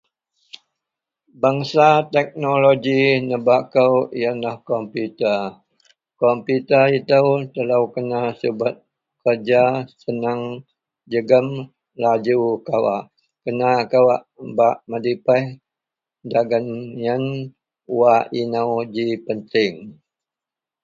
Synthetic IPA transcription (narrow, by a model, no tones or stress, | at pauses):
baŋsat̪ɛk̚noloɡinəbakəwjanlahkɔmput̪ə | kɔmpjut̪əit̪əwt̪əlawkənasəbat̪̚ | kərd͡ʒasənaŋ | d͡ʒəɡəm | lad͡ʒukawaʔ | kənakawaʔbaʔmədipəh | daɡənjən | waʔinawd͡ʒipənt̪ɪŋ